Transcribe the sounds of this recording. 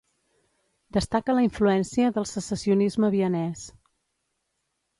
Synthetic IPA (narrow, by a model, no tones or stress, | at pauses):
d̪əst̪akələiɱfluɛnsiəðəlˠsəsəsiunizməβiənɛs